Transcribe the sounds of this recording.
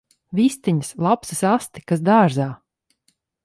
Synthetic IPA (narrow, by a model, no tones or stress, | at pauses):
vist̪iɲəslˠapsisast̪i̥kasd̪aːɾzaː